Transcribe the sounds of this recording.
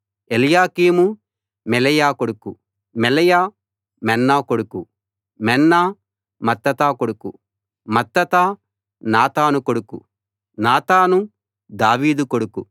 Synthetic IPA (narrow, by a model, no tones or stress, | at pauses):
elijaːkiːmu | mɛlɐjaːkoɽuku | mɛlɐjaː | mɛnːaːkoɽuku | mɛnːaː | mɐt̪ːɐt̪aːkoɽuku | mɐt̪ːɐt̪aː | naːt̪aːnukoɽukṵ | naːt̪aːnu | d̪aːʋiːd̪ukoɽuku